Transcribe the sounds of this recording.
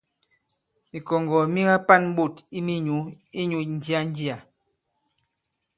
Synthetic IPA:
mi˨kɔ˨ŋɡɔ˨mi˦ɡa˦pa˦˨n̩˦ɓo˦˨ti˦mi˦ɲu˨˦ | i˦ɲu˨˦n̩˦d͡ʒi˦a˦n˦di˦a˨

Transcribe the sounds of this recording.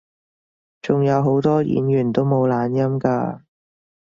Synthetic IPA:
t͡sʊ˨ŋjɐ˨˧wɦo˨˥wt̪ɔː˥jḭː˨˥njyː˨˩nt̪o˥wmo˨˧wlaː˨˧njɐ˥mkaː˧

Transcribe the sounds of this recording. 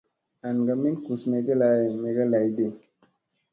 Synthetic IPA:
a˨nɡa˧mi˦nku˨sme˨˧ɡe˦la˨jme˨ɡa˦la˨jde˦˨

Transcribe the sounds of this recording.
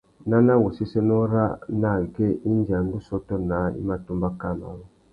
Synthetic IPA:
na˦na˦wo˨si˦sɛ˦nɔ˦ɾa˦na˨ɡɛ˦˨ʔi˦n˦d͡ʒi˨a˨ŋ˦ɡu˦sɔ˦tɔ˦na˨˦ḭ˦ma˦tu˦mba˦ka˦˨ma̰˨wɔ˦

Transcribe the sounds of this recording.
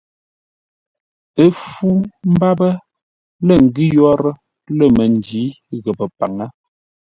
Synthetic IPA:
ə˦fu˦m̩˦ba˦bə˦ | lə˦˨ŋ̩˨ɡi˦jɔ˦ɾə˦ | lə˦˨mə˨n˨d͡ʒi˨˦ | ɣə˨bə˨pa̰˨ŋə˦

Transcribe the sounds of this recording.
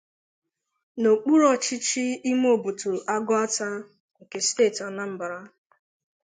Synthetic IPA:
no˨k͡pu˦ɾɔ˦t͡ʃɪ˦t͡ʃi˦i˦m˦o˨bu˨tu˨ʔa˦ɡʊ˦a˦ta˦ | ŋ̩˨ke˨steː˦˨tɔ˨na˦m̩˨ba˨ɾa˦

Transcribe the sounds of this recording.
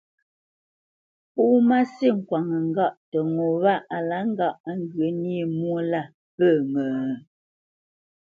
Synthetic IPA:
puː˦ma˦si˦˨ŋ̩˨kwa˨ŋə˨ŋ˦˨ɡa˦˨ʔtə˨ŋo˨βa˦˨ʔa˨la˦ŋ̩˦ɡa˦˨ʔa˦ŋ˦ɡə˨˦ni˦˨mwo˦la˦˨ | pə˦˨ŋə˨

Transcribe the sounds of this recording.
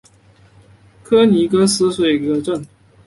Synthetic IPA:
kʰɤ˥ni˧˥kɤ˥sɹ̩˥swe˨˩ɪkə˧˦ʈ͡ʂə˥˩ŋ

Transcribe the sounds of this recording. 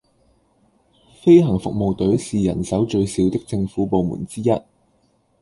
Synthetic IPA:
fe˥jɦɐ˨˩ŋfʊ˨k̚mo˨wt̪ɵ˨˥ɥsiː˨jɐ̰˨˩nsɐ˨˥wt͡ʃɵ˧ɥsi˨˧wt̪ɪ˥k̚t͡sɪ˧ŋfuː˨˥po˨˧wmṵː˨˩nt͡siː˥jɐ˥t̚

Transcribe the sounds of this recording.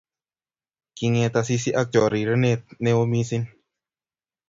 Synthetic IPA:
ki˧ŋẽ˧t̪a˧si˧si˦ʔa˧k̚t͡ʃɔ˨ɾi˨ɾə˦ne˧ne˧o˧mĩ˦si˦˧n

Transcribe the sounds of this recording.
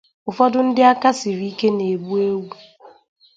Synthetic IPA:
ʊ˨fɔ˦dʊ˦n̩˦dɪ˦a˦ka˦si˨ɾi˨˦i˦ke˦ne˨bu˦e˦wu˦

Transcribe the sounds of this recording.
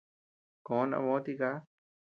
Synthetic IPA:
kõ˨˦nã̰˧βõ˧˦t̪i˧ka˦

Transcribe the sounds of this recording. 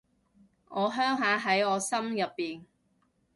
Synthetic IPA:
ŋʔɔː˨˧ɦœː˥ŋɦaː˨˧ɦɐ˨˥jɔː˨˧sɐ˥mjɐ˨pːiː˨n

